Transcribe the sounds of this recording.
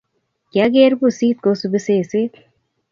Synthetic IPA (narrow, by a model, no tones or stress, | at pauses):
kjaɡeːɾbusiːt̪̚kosubɪseːseːt̪